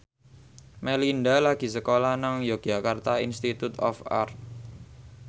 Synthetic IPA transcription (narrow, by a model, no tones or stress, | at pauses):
melindalaɡ̥i̤səkolanaŋjoɡ̥ʒa̤kart̪ainst̪it̪ut̪ɔ̰fa̰rt̪̚